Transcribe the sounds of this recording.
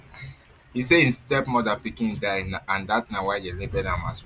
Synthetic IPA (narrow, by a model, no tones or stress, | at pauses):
his̬eĩnstɛpmɔdapikĩndanaãndatnawaɪdelebɛdãma̰s